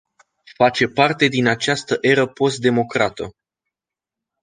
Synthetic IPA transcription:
fat͡ʃe̞part̪e̞d̪inat͡ʃast̪əʔe̞ɾəpo̞st̪d̪e̞mo̞kɾat̪ə

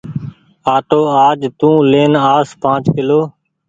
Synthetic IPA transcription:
aːʈoːaːd͡ʒt̪ũːleːnaːspãːt͡ʃkɪloː

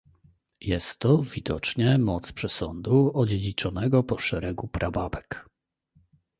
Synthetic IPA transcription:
jɛst̪ːɔvʲid̪ɔt͡ʂɲɛmɔt̪spʂɛsɔnd̪uɔd͡ʑed͡ʑit͡ʂɔnɛɡɔpɔʂɛɾɛɡupɾabavɛk

